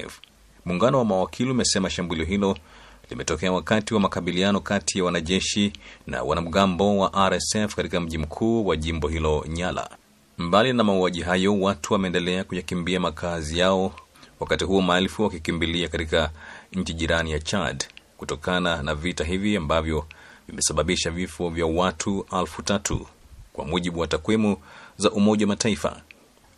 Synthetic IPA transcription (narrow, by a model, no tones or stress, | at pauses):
muːŋɡanɔwamawakʰiliumɛsɛmaʃambuliɔɦilɔlimɛtɔkɛawakatiwamakaɓilianɔkatʰijawanaʄɛʃina̰wa̰nam̩ɠambɔwaʔaɾɛsɛfkatikam̩ʄim̩kʰuːwaʄimbɔhilɔɲala̰ | mbalinamauwaʄiɦajɔwatuwamɛːndɛlɛakujakimbiamakʰazijaɔ | wakatiɦuɔmaɛlfuwakikimbiliakatikaɲ̩t͡ʃiʄiɾanijat͡ʃadkutɔkananavitaɦiviambavjɔvimɛsaɓaɓiʃavifɔvjawatʰualfutatʰṵkwa̰muʄiɓuwatakwimuzaʔumɔʄawamataifa̰